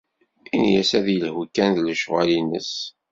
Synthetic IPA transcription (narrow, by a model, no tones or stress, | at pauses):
injæ̰sæðjəlhukːænðləʃʁalinəs